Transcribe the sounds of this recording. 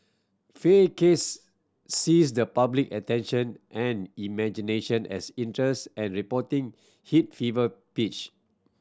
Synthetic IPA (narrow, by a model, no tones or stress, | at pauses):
fekesː | is̬dəpablikətɛ̃nʃə̃nʔɛ̃nimɛd͡ʒineʃə̃nʔɛ̰sĩntɹɛstɛ̃nɹipɔtĩŋ | hit̚fivəpit͡ʃ